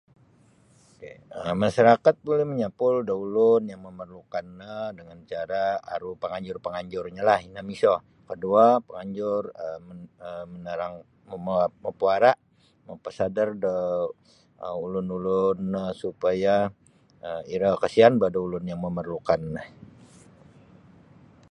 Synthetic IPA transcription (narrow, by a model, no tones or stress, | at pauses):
okeəmaʃaɾakat̪̚bolɛhməɲapʊldaulʊnjaŋməmərlukanːədəŋant͡ʃaɾaa̰ɾupəŋaɲd͡ʒʊrpəŋaɲd͡ʒʊrɲalahinamisɔ | kəduapəŋaɲd͡ʒʊrəməəmənaɾaŋ | mməpuaɾaʔ | məpəsadərda | ulʊnulʊnəsupaja | əiɾakasianbadaulʊnjaŋməmərlukanːəh